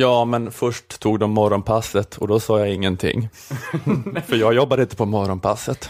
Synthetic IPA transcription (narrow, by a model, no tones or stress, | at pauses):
jɑːmɛnfœʂʈt̪ʰːuːɡd̪ɔmːɔɾɔnpʰasːət̪ʰɔd̪ɔsɑːjaɪŋːənt̪ʰɪ̰ŋː | fœɾjɑːɡjɔbːad̪əɪnt̪ə̥pʰɔmɔɾɔnpʰa̰sːət̪